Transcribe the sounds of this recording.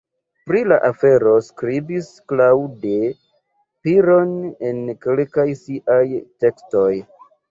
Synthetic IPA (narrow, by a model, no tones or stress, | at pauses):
pɾilaʔafe̞ɾo̞skɾibisklawde̞ | piɾo̞ne̞nkelkajsiʔajte̞ksto̞j